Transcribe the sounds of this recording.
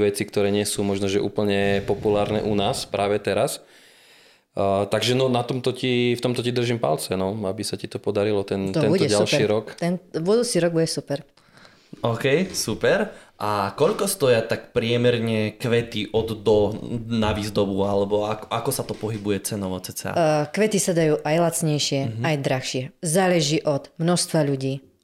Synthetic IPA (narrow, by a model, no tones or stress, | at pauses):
ʋɛt͡sikt̪ɔɾɛːɲɪɛsuːmɔʒnɔʒɛʔṵːpl̩ɲɛpɔpulaːɾnɛ̰ːʔunaːspɾaːʋɛt̪ɛɾas | t̪aɡʒɛnɔnat̪ɔmt̪ɔcift̪ɔmt̪ɔcid̪r̩ʒiːmpa̰lt͡sɛnɔabisacit̪ɔpɔd̪aɾilɔt̪ɛnt̪ɛnɔalʃiːɾɔkt̪ɛnʋʊɔd̪uːt͡siɾɔɡ̚buɟɛsupɛɾ | ɔːkɛjsupɛɾʔakɔʎkɔst̪ɔjat̪akpɾɪɛmɛɾɲɛkʋɛt̪iʔɔd̪d̪ɔnaʋizd̪ɔbualɛbɔakɔʔakɔsat̪ɔpɔɦibujɛt͡sɛnɔʋɔt͡sɛt͡sɛ̰a̰kʋɛt̪isad̪ajuːʔajlat͡sɲɛjʃɪɛajd̪ɾaxʃɪɛzaːlɛʒiːʔɔd̪̥mnɔst̪ʋaʎuɟiː